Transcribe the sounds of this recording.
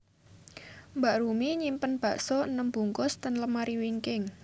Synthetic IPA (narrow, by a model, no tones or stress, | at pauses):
mbaʔɾumiɲimpənb̥a̤ʔsɔənəmb̥ṳŋkʊst̪ənləmaɾiwiŋkɪŋ